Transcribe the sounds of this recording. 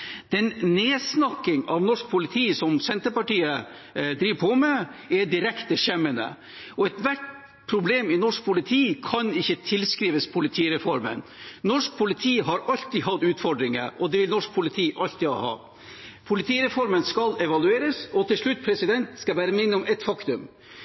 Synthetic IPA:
d̪̥ɛnneːsnɑkːɪŋɑʋnɔʂk̚pʰʊlɪt̪ʰiːsɔmsɛnt̪əpɑʈiːə | d̪ɾiːʋpʰɔmɛɛɖɪɾɛkt̪əʂɛmːənə̰ | ɔɛt̪ʋæʈ | pʰɾʊbleːmɪnɔʂk̚pʰʊlɪt̪ʰiːkʰɑnɪçːət̪ʰɪlskɾiːʋəspʰʊlɪt̪ʰiːɾɛfɔɾmə̰nnɔʂk̚pʰʊlɪt̪ʰiːɦɑɾɑlt̪iːɦɑd̪ʉːt̪fɔɖɾɪŋə̰ʔɔd̪ɛʋɪlnɔʂk̚pʰʊlɪt̪ʰiːʔɑlt̪ḭːhɑ̰ː | pʰʊlɪt̪ʰiːɾɛfɔɾmənskɑlɛʋɑlʉeːɾəsɔt̪ʰɪlʂɭʉt̪ːpʰɾɛsɪd̪ɛnt̪skɑbæːɾəmɪnːəɔmɛt̪fɑkt̪ʉm

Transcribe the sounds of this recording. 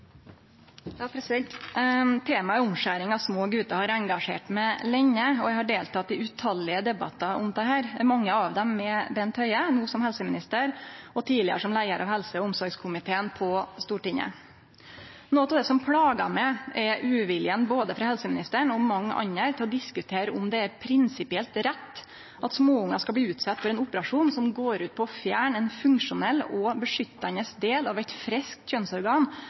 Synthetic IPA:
t̪ʰeːmɑɛɾʊmʂæːɾɪŋɑʋsmoːɡʉːt̪ɑhɑɾɛŋɡɑʂḛːʈmɛlɛɲːəɔjæɪhɑɖeːlt̪ʰɑt̪̚d̪ɪʉt̪ʰɑlːɪəd̪ɛbɑ̰t̪ːɑʔɔ̰md̪ɛhæːɾmɑŋːəɑʋd̪ɛmːɛbɛnt̪ʰœʏənuːsɔmhɛlsəmɪnɪst̪əɾɔt̪ʰiːlɪə̰ʂɔmlæɪəɾʔɑ̰ʋhɛlsəɔʊmsɔɾɡskʰʊmɪt̪ʰeːənpʰɔst̪uːʈɪŋːə̰ | noːt̪ɑːʋd̪ɛːsɔmpʰɽɑːɡɑ̰mɛʔɛʔʉːʋɪlɪənboːd̪əfɾɑhɛlsəmɪnɪst̪əɳɔmmɑŋːɑ̰ɲːəɾt̪ʰɪlɔd̪ɪskʉt̪ʰeːɾəʊmd̪ɛæɾpʰɾɪnsɪpɪɛlt̪ɾɛt̪ː | ʔɑt̪smoːʊŋːɑskɑb̪iːʉːt̪sɑt̪ːfɔɾɛnʊpəɾɑʂuːnsɔmɡoːɾʉːt̪̚pʰɔːfjæːɳɛnfʉŋʂʊnɛlːɔbəʂʏt̪ːɑnəsd̪eːlɑʋɛt̪fɾɛsk̚t̪çœnsɔɾɡɑːn

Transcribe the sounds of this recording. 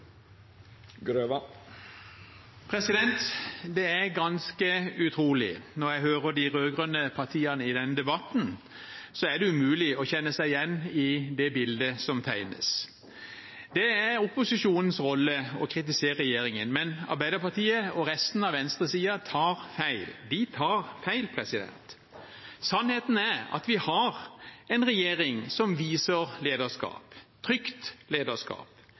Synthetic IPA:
ɡɾøʋ | pʰɾɛsɪd̪ɛnt̪d̪ɛæɾɡɑnskəʉt̪ʰɾuːlɪ̰nɔɾjæɪhøːʁəɖ̪ɪʁøːɡʁœnəpʰɑt̪ʰiːənəɪd̪ɛnd̪ɛbɑt̪n̩ | sɔæɖ̪ɛʉmʉːlɪɔçɛnːəsæɪjɛnːɪd̪ɛbɪld̪əsɔmt̪ʰæɪnə̰s | d̪ɛæɾʊpːʊsɪʂuːnən̩sʁɔlːəɔkʰɾɪt̪̬ɪseːəɾɛjeːɾɪŋənmɛnɑ̰ɾbæɪd̪əɾpɑt̪iːəɔɾɛst̪n̩ɑʋɛnst̪ʁəsiːɑt̪ʰɑːɾfæɪld̪ɪt̪ʰɑːɾfæɪlpʰɾɛsɪd̪ɛ̰nt̪ | sɑnheːt̪n̩æɾɑ̰t̪ʋɪhɑɾɛɪnʁɛjeːɾɪŋsɔmʋiːsəʁleːd̪əʂkɑ̰ːpt̪ʰɾʏkt̪leːd̪əʂkɑ̰ːp

